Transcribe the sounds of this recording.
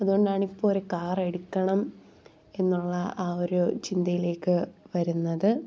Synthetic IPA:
ɐðuɣoɳɖaːɳipːoːɾukaːre̞ɽukːɐɳɐm | e̞nːuɭːɐʔaːoɾut͡ɕind̪ɐjile̞ːkːɨʋɐɾunːɐðɨ

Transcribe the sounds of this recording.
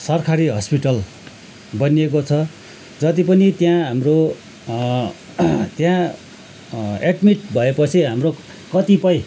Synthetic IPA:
sʌrkʰaɾiɦʌspiʈʌl | bʌniekot͡sʰʌ | d͡zʌt̪ipʌnit̪jãɦamro | t̪jã | eɖmiʈ̚bʱʌepʌt͡sʰiɦamro | kʌt̪ipʌj̃

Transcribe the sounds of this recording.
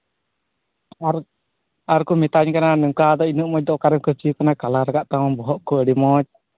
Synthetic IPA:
aɾkumɛt̪aɲkananɔŋkad̪ɔinəʔ̚mɔc̚d̪ɔkaɾɛmkət͡ʃiukanakalaɾaɡaʔt̪awbɔɦɔʔkɔəɖimɔt͡ʃ̚

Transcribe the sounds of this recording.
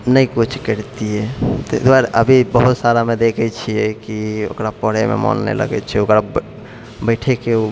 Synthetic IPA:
nəjkut͡ʃʰkəɾt̪ijɛt̪ɔt̪aɾəbʱibəɦut̪saɾamed̪ekʰɛt͡ʃʰijɛkio̰kɾapəɽ̤emḛmɔ̰nːɛ̰lə̰ɡɛ̰t͡ʃʰɛɛokɾab | bəɪʈʰekeu

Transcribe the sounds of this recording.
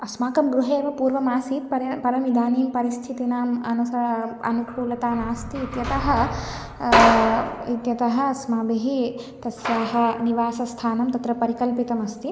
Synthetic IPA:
ɐsmaːkɐmɡɾuɦeːʋɐpuːɾʋɐmaːsiːt̪pɐɾɐpɐɾɐmid̪aːniːmpɐɾist̪ʰit̪inaːmɐ̰nɐsɐɐɐ̰nukuːlɐt̪aːnaːst̪iːt̪jɐt̪ɐɦɐ̆ | it̪jɐt̪ɐɦɐɐsmaːbeɦi | t̪ɐsjaːɦɐ̆niʋaːsɐst̪ʰaːnɐmt̪ɐt̪ɾɐpɐɾikɐlpit̪ɐmɐst̪i

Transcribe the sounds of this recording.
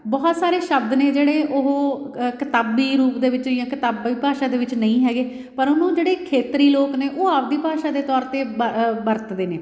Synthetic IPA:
bɔːt̪saːɾeːʃəbd̪neːd͡ʒeːɽeːʔoɦo | kət̪aːbiːɾuːpd̪eːʋɪt͡ʃɪjãːkɪt̪aːbiːpaːʃaːd̪eːʋɪt͡ʃnəĩːɦɛːɡeː | pəɾʊnũːd͡ʒeːɽeːkʰeːt̪ɾiːloːkneːʔoːaːʋd̪iːpaːʃaːd̪eːt̪ɔːɾt̪eːəbəɾt̪d̪eːneː

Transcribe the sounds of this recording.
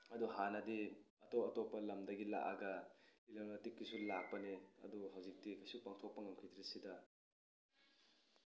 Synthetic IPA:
ɐduɦanɐdi | ɐtoɐtopːɐlɐmdɐɡila̰ʔaɡɐlilɐmnɐtikːisulak̚pɐniɐ̰duɦawzik̚tikʰajsupaŋtʰok̚pɐŋɐmkʰitʰɾisidɐ

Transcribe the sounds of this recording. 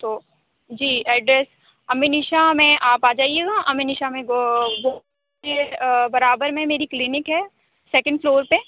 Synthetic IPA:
t̪oː | d͡ʒiːɛːɖɾɛs | ɐmːɪnɪʃamɛ̃ʔaːpaːd͡ʒaːieːɡaʔɐmːɪnɪʃamẽɡoː | kebɐɾaːbəɾmẽmeːɾiklɪnɪkɦɛː | sɛːkə̃ɳɖfloːɾpe

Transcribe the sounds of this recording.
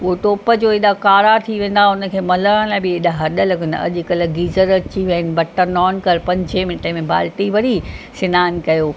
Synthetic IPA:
uɦoʈoːpəd͡ʑoːeɗakaːɾat̪ʰiʋẽːn̆d̪aʊnə̆kʰeːmɐləɽə̃laːɪbɪɪɗaɦɐɗə̆lɐɡɪnɐ̰ʄkɐlə̆ɡiːzəɾət͡ɕiʋɐnɪ̆bɐʈːənɔːnkɐɾpɐ̃ɲd͡ʑʱemɪʈəmẽbʱa̰ːlʈiʋɐɾisɪnaːɪnkɐjoː

